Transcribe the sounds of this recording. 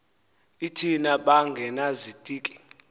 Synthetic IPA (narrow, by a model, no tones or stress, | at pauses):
itʰinaɓaŋɡʱɛnazid̥ʼʱiːkʼi̥